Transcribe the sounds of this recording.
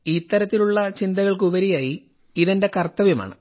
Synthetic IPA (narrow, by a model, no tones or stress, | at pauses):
it̪ːɐɾɐt̪ːiluɭːɐt͡ɕind̪ɐɣɐɭkuʋɐɾijaːji | iðɐnde̞kɐrt̪ːɐʋjɐma̰ːɳɨ̰